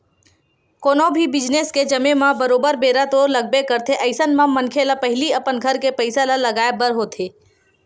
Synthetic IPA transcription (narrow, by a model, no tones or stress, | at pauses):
koːnobʱibɪd͡ʒnesked͡ʒɐmemãbəɾoːbəɾbeːɾat̪oːɾləɡ̚bekəɾt̪ʰeʔəɪsənmãmənkʰelapəɦɪliəpənɡʱəɾkepəɪsalaləɡaːebəɾɦoːt̪ʰeː